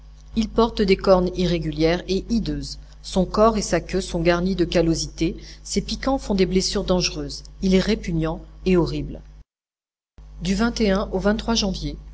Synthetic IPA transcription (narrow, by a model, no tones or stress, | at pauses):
ilpɔʁt̪d̪ekɔʁniʁeɡʲyljɛʁeʔid̪øːz | sɔ̃kɔʁesakʲøsɔ̃ɡaʁnid̪əkalozit̪esepikɑ̃fɔ̃d̪eblesyʁd̪ɑ̃ʒʁøːzilɛʁepynjɑ̃eɔʁibl | d̪yvɛ̃t̪eɛ̃ʔovɛ̃t̪ːχwaʒɑ̃vje